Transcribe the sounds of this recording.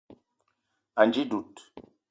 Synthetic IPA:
a˨nd͡ʒi˦du˨t

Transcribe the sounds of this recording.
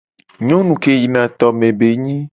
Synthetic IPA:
ɲɔ̃˦nũ˨ke˦ji˨nã˨t̪ɔ˨mẽ˨be˨ɲĩ˦

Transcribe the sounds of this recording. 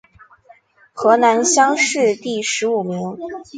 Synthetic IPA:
xɤ˧˥na˧˥nɕjɑ˥ŋʂɻ̩˥˧t̪i˥˩ʂɻ̩˧˥u˨˩mi˧˥ŋ

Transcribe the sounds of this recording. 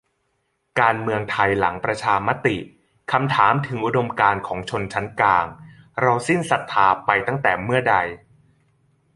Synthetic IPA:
kaː˧nmɯ˧əŋt̪ʰa˧jla̰˩˦ŋpɾa˧t͡ɕʰaː˧ma˦˥t̪i˨˩ | kʰa˧mt̪ʰaː˩˦mt̪ʰɯ˩˦ŋʔu˦˥do˧mkaː˧nkʰɔː˩˦ŋt͡ɕʰo˧nt͡ɕʰa˦˥nklaː˧ŋɾa˧wsi˥˩nsa˨˩t̪ʰːaː˨˧pa˧jt̪a˥˩ŋt̪ɛː˨˩mɯ˥˩ɐda˧j

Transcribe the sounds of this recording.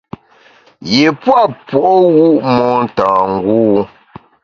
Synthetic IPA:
je˨pwa˦pwɔ˨ʔwu˦ʔmɔ˦n̩˨tãː˨ŋ̩˦ɡuː˦

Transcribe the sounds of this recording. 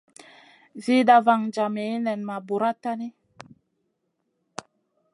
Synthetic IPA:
zi˦da˦va˦˨ŋd͡ʒa˨me˨˦nɛ˨nma˨bu˨ɾa˦ta˦ni˦

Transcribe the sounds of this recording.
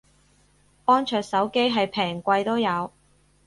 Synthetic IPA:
ʔɔː˥nt͡ʃʰœː˨k̚sɐ˨˥wke˥jɦɐ˨jpʰɛː˨˩ŋkʷɐ˧jt̪o˥wjɐ˨˧w

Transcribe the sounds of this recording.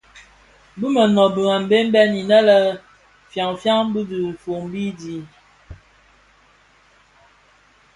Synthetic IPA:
bu˦mə˨nɔ˨bə˨ŋa˨m̩˨be˦m̩˦bɛ˦ni˨nə˦lə˦ | fja˨ŋfja˦ŋ˦bu˦du˨fo˨ŋbi˦di˨˦

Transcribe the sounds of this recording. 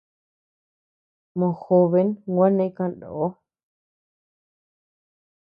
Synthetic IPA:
mõ˧˨xo˧βe˧˦ŋɡʷa˦nẽ˧˦kã˧˨ndo̰˨ʔo˦

